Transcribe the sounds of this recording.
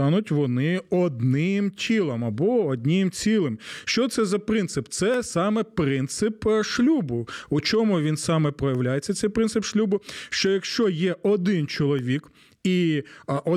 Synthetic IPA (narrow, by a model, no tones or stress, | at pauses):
ɑnʊtʲʋɔnɪɔd̪nɪmtʲʰilˠɐmɐbɔɔd̪ʲnʲɪmt͡sʲilˠɪmʃt͡ʃɔt̪sɛzɐpɾɪnt̪sɪpt̪sɛsɑmɛpɾɪnt̪sɪpʃlʲubʊut͡ʃɔmʊʋʲinsɑmɛpɾɔjɐʋlʲajett͡sʲːɐt̪sɛjpɾɪnsɪpʃlʲubʊʃt͡ʃɔjɐkʃt͡ʃɔjɛʔɔd̪ɪnt͡ʃɔlˠɔʋʲik | iʔɔ